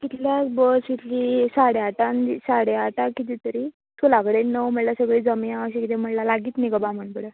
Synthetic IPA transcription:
kit̪ljat͡sbəsit̪lisaɽeaʈanisaɽeaʈakit̪it̪əɾi | t̪ʰulakəɽenəwm̤əʈlasəɡɭiːd͡zəmiãəɕikit̪em̤əɽlalaɡiːt̪niɡəbam̤əɳbəɽə

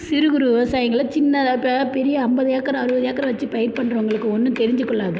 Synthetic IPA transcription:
sɪɾɯɣɯɾuʋɪʋɐsaːjɐŋɡɐɭɐt͡ʃɪnːɐpːpɛɾɪjɐːmbɐðɐjaːkːɐɾɐ̃ɐɾɯbɐðɐjaːkːɐɾɐʋɐt͡ʃːɯpɐjɐɾpɐɳːɾɐɐŋɡɐɭɯkːɯɔnːɯt̪ɛɾɪɲd͡ʒɯkːɔɭːaːðɐ

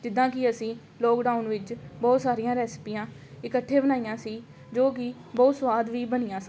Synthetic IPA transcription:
d͡ʒɪd̪ːãːkɪəsĩː | lɔːkɖaːunʋɪt͡ʃbɔːt̪saːɾijãːɾɛːspiːãː | ɪkəʈʰːẽːbənaːijãːsiː | d͡ʒoːk̬ɪ | bɔːt̪sʋaːd̪ʋiːbənɪjãːsãː

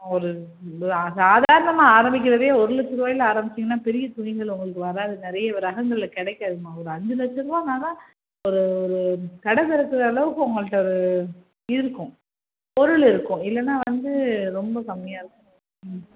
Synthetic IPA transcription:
ɔɾɯ | asaːðaːɾɐnɐmaːaːɾɐmbɪk̬ʲːɪɾɐðeːɔɾɯɭɐsɪɾɯʋaːjɪlaːɾɐmbɪt͡ʃːɯŋɡɐnːaːpɛɾɪjɐt̪ʊɣɪŋɡɐɭʊŋɡɐɭɯk̬ːɯʋɐɾaːðɯnɪɾɐjɐʋɾɐɣɐŋɡ̪ɐlɪlɐkɛɽɛkːaɾɯɯmãːɔɾɯɐnd͡ʒɯlɐsɯɾɯʋaːnaːlãː | ɔɾɯɔɾɯt̪ɐɽɐt̪ɪɾɐkːɯɾɐːɭɐʋɯkːɯʊŋɡɐɭɯʈːɐɔɾɯ | ɪɾɯkːʊ̃ | ɔɾɯɭɪɾɯkːʊ̃ɪlːɛnːaːʋɐnd̪ɯɾɔmbɐsɐmːɪjaːɪɾɯkːɐ̃

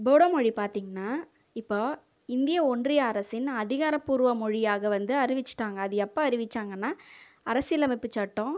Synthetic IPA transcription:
boːɽɐmɔɻipaːɾt̪iːŋɡɐnːaː | ɪpːoː | ɪnd̪ɪjɐɔndrɪjaːɾɐsɪnɐðɪɣaːɾɐpːuːɾʋɐmɔɻɪjaːɣɐʋɐnd̪ɯɐɾɪʋɪt͡ʃːɯ̥ʈːaːŋɡɐːðɯɛpːɐɐɾɪʋɪt͡ʃːaːŋɡɐnːaː | ɐɾɐsɪjlɐmɪpːɯt͡ʃɐʈːõ

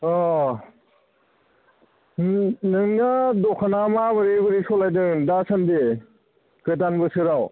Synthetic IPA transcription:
ɔ | nɯŋnadɔkʰanamabɯɾibɯɾisolajdɯŋdasɐmde | kɯtanbɯsɯɾaw

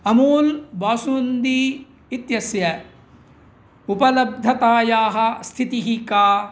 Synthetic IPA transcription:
ɐmuːlbaːsuːnd̪iː | t̪jɐsjɐ | upɐlɐb̚d̪ʱɐt̪aːjaːɦɐ̆st̪ʰit̪iɦikaː

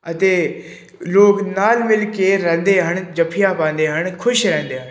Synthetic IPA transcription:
ət̪eː | loːknaːlmɪlkeːɾɛ̃ːnd̪eːɦəɳd͡ʒəpʰijaːpãːnd̪eːɦənkʰʊʃɾɛ̃ːnd̪eːɦən

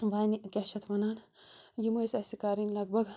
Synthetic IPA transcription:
ʋaːnikʲɛʃɐt̪ʰʋɐnaːn | jimɐjsɐsikaːɾinlɐɡ̚bʱɐɡ

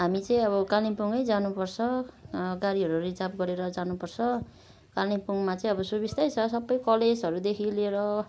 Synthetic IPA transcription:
ɦamit͡sʌĩʌβʌkalipuŋʌjd͡zanupʌrt͡sʰʌɡaɾiɦʌɾurid͡zabɡʌɾeɾʌd͡zanupʌrt͡sʰʌ | kalipuŋmat͡sʌĩʌbʌsubist̪ajt͡sʰʌsʌbːʌjkʌled͡zɦʌɾud̪ekʰileɾʌ

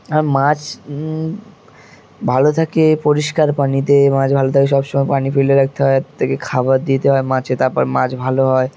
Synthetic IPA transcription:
aɾmãt͡ɕ | bʱalot̪ʰakepoɾiʃkaɾpanit̪̬emãd͡ʑbʱalot̪ʰakeʃ̬ɔbʃomɔepanifeleɾak̚t̪eɦɔet̪ʰakekʰabaɾd̪it̪eɦɔemãt͡ɕet̪aɾpɔ̰ɾmã̰t͡ɕbʱaloɦɔe

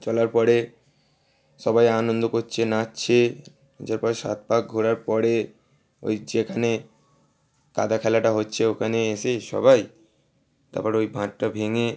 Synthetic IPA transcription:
t͡ɕɔlaɾpɔɾe | ʃɔbajanond̪okot͡ɕʰenatːɕʰe | d͡ʑaɾpɔɾeʃa̰t̪̚pak̚ɡʱoɾaɾpɔɾe | o̰jd͡ʑekʰane | ka̰d̪akʰɛlaʈaɦotːɕʰeokʰaneeʃeʃɔ̰baj | t̪a̰pɔɾojbʱãʈ̚ʈabʱeŋe

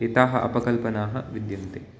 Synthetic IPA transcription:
et̪aːɦɐʔɐ̰pɐkɐlpɐnaːɦɐʋid̪jɐnt̪eː

